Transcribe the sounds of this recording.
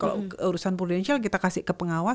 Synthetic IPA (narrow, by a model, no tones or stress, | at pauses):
kalo̰uɾusanpɾodɛnsialk̬it̪akasɪʔkəpəŋawa